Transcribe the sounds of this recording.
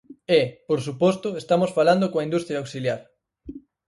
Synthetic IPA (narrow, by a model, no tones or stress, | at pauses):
epoɾsupɔst̪oest̪amosfaland̪okõaind̪ust̪ɾjawksiljaɾ